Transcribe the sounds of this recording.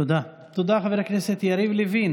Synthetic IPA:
ud̪a | t̪ud̪aχaveɾaknɛset̪jaɾivlivin

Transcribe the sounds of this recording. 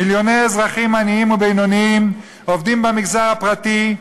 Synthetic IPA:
iljo̞nejezʁaχimaniimubejnoniim | ovd̪imbemiɡzaʁhapʁat̪i

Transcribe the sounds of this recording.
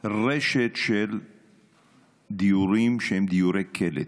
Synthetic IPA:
ʁeʃet̪ʃel | d̪ijuɾimʃehemd̪ijuɾekʰelḛt

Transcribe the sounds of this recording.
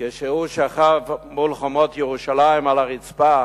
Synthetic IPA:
keʃeuʃaχavmulχomotjeʁuʃalaimalaʁit͡spa

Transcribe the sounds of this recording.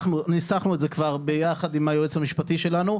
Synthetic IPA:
χnunisaχnuetzekvaʁbejaχad̪imajoet͡shamiʃpatiʃe̞lanu

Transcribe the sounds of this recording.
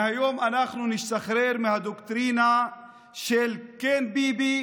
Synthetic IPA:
hajoːmanaχnuniʃt̪aχɾeɾmehad̪okt̪ɾiːna | ʃelkenbibi

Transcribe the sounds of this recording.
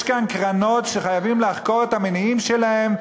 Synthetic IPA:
ʃkankʁano̞tʃeχajavimleaχko̞ʁet̪hameniimʃelahe̞m

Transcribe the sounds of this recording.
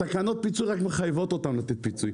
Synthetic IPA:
akanɔt̚pit͡suɾakməχajvɔtɔltamlˠat̪it̚pit͡su

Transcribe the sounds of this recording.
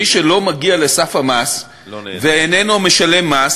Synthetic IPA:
iʃelo̞maɡialesafhamas | veenenome̞ʃale̞mːas

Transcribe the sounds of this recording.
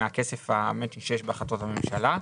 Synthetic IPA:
akesefamet̪iʃeʃbeaχlat̪o̞thamemʃala

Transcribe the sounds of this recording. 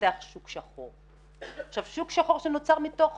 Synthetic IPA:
eaχʃukʃaχoʁ | ʃavʃukʃaχoʁʃenot͡saʁmit̪oχ

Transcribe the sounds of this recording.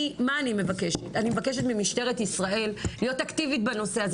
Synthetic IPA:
maːnime̞vakeʃetanimevake̞ʃ̬etmimiʃte̞ʁetisʁae̞llijo̞taktivit̚bano̞se̞az

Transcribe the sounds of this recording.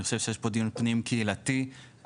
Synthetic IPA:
eχʃevʃejeɛʃpod̪ijunpnimkʰeilat̪i

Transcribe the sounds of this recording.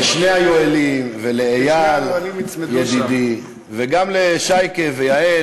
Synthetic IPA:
ʃnehajoelimveleejalnimijd̪id̪i | veɡamleʃajkevejae

